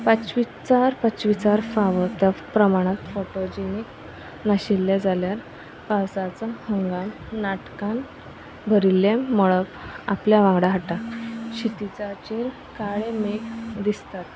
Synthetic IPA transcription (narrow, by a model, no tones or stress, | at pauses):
pət͡ɕʋi | t͡saɾpət͡ɕʋit͡saɾfaʋət̪japɾəmaɽ̃ãt̪foʈod͡ʑenik | naɕilːed͡zaljaɾ | pawsat͡sahəŋɡamnaʈkan | bʱəɾilːẽməɭəpapljaʋãŋɡɽaɦaʈaɕit̪it͡sat͡ɕel | kaɭemekd̪ist̪at̪